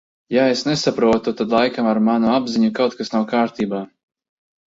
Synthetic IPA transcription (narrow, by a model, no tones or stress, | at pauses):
jaesnesapɾuɔt̪ut̪ad̪lˠajkamaɾmanuabziɲukawt̪̚kasnawkaːɾt̪iːbaː